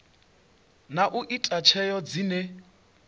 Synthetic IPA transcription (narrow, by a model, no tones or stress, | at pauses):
naʔuʔitʼat͡ʃʰɛjɔd͡zinɛ